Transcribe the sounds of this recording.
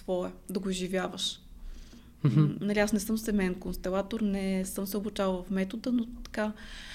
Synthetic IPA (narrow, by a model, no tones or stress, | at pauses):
svɔɛd̪ɐɡoʒivʲjavəʃ | nɐlʲiasnɛsɤmsɛmɛnkonst̪ɛlˠat̪oɾnɛsɤmsɛobut͡ʃalˠvɐfmɛt̪od̪ənot̪ɐ̥ka